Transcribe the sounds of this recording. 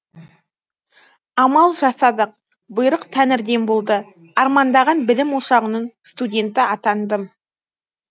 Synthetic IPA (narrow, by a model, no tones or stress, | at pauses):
ɑmɑlˠʒɑsɑd̪əq̚ | bʊjɾəqt̪ʰænɪɾd̪e̞nbolˠd̪ə | ɑɾmɑnd̪ɑʁɑnbɪlɪmwoʃɑʁənəɴst̪udʲe̞nt̪ɪɑt̪ɑnd̪əm